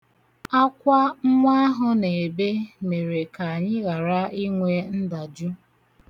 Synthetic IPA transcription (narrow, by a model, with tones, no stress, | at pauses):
a˦kʷa˦ŋ͡m̩˦ŋʷa˦ɦʊ˦ne˨e˨be˦me˨ɾe˨ka˨a˨ɲɪ˦ɣa˨ɾa˦i˦ŋʷe˦n̩˦da˨d͡ʒu˦